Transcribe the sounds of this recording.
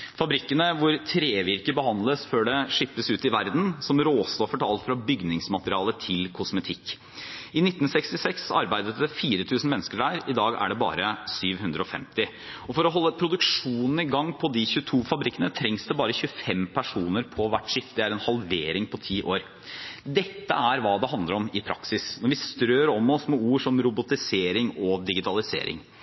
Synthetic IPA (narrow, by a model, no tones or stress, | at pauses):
fɑbɾɪkːənəʋʊɾt̪ʰɾeːʋɪɾkəbəhɑnd̪ləsføːɖɛʂɪpːəsʉːt̪ɪʋæɾd̪n̩sɔmɾoːst̪ɔfəʈɑlt̪fɾɑbʏɡnɪŋsmɑt̪əɾɪɑːlət̪ʰɪlkʰʊsmət̪ʰɪkː | ɪnɪt̪ːn̩sɛkst̪ɪsɛksɑ̰ɾbæɪd̪ət̪̚d̪ɛfiːɾət̪ʰʉːsn̩mɛnːskəɖæːɾɪd̪ɑːɡæ̰ɖɛbɑ̰ːɾəsyːʋhʉnd̪ɾəɔfɛ̰mt̪ɪ | ɔfɔɾɔɦɔlːəpʰɾʊd̪ʉkʂuːnn̩ɪɡɑŋːpʰɔd̪ɪçʉːt̪ʰuːfɑbɾɪkːənət̪ʰɾɛŋsd̪ɛbɑːɾəçʉəfɛmpʰæʂuːnəɾpʰɔʋæʈːʂɪft̪ɪæɾɛnhɑlʋeːɾɪŋpʰɔt̪ʰiːʔoːɾ | d̪ɛt̪ːə̰æɾʋɑːd̪ɛɦɑnd̪ləɾɔmɪpʰɾɑ̰ksɪsnɔɾʋɪst̪ɾøːɾɔmːɔsmɛuːʂɔmɾʊbʊt̪ɪseːɾɪŋɔd̪ɪɡɪt̪ʰɑlɪsḛːɾɪ̰ŋ